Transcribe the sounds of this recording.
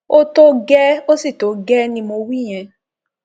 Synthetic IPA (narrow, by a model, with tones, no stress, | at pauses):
o˦to˦ɡɛ˦o˦si˦˨to˨˦ɡɛ˦nĩ˧˦mo˧wi˦˨j̃ɛ̃˧